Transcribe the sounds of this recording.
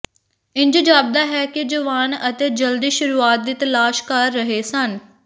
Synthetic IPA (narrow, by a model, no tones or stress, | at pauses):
ɪ̃nd͡ʒd͡ʒaːb̚d̪aːɦɛːkɪd͡ʒəʋaːnət̪eːd͡ʒəld̪iːʃʊɾuːaːt̪̚d̪iːt̪əlaːʃkəɾːəɦeːsən